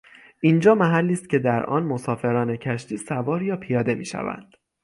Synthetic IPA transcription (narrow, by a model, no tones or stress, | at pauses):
ʔiːnd͡ʒɒːmæɦælːiːst̪̚cʰʲe̞d̪æɾʔɒ̰ːnmo̞sɒːfe̞ɾɒːne̞cʰæʃt̪iːsævɒːɾjɒːpʰijɒːd̪e̞mḭːʃæ̰væ̰nd̪̥